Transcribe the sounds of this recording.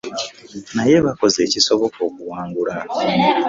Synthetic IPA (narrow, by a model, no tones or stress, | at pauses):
naje̞βako̞ze̞ːciso̞βo̞ko̞ːkuwaːŋɡula